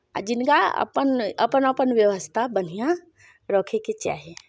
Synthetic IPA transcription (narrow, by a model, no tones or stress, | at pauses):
a̰d͡ʒɪnkaɐ̰pənɐpənəpənʋjəʋəst̪ʰabən̤ijã | ɾɔːkʰeket͡ʃa̰ːɦe